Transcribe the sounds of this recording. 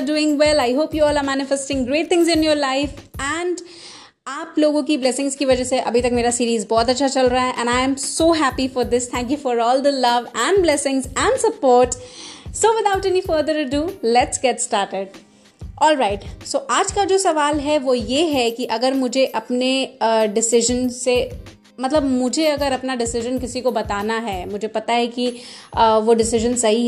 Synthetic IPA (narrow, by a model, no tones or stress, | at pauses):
ɖuːɪ̃ŋʋɛlaɪɦoːpjuɔːlaɾmæːnɪfɛsʈɪ̃ŋɡɾeːʈ̚t̪ʰɪ̃ŋzɪ̃njoːɾlaɪfɛ̃ɳɖ | aːploːɡõkiblɛsɪ̃ŋzkiʋɐd͡ʒɛseʔɐ̰bʱit̪ɐkmeːɾasiːɾiːzbɔːt̪ɐtːʃʰat͡ʃɐlɾɐaɦɛʔɛ̰̃naːɪɛ̃msoːɦæpifɔɾd̪ɪst̪ʰæ̃ŋk̬jufɔɾɔːld̪əlɐʋɛ̃nɖblɛsɪ̃ŋzɛ̃nɖsɐpoːɾʈsoːʋɪd̪aʊʈɛnifəɾd̪əɾuɖulɛʈsɡɛʈsʈaːɾʈeɖ | ʔɔːlɾaɪʈsoːʔaːd͡ʒkad͡ʒoːsɐʋaːlɦɛʋojeɦɛkiʔɐɡəɾmʊd͡ʒʱeʔɐpneɖɪsɪʒənse | mɐt̪ləbmʊd͡ʒʱeɐɡəɾɐpnaɖɪsɪʒə̃nkɪsikobɐt̪aːnaɦɛmʊd͡ʒʱepɐt̪aɦɛki | ʋoɖɪsɪʒə̃nsɐɦiɦ